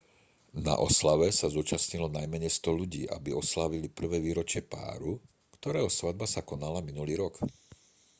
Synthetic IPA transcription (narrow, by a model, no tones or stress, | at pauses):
na̰ʔɔ̰slaʋɛsazuːt͡ʃasɲilɔnajmɛɲɛjst̪ɔʎuɟḭːʔa̰biɔslaʋilipr̩ʋɛːʋiːɾɔt͡ʃɪɛpa̰ːɾu | kt̪ɔɾɛːɦɔsʋad̪̚basakɔnalaminuliːɾɔk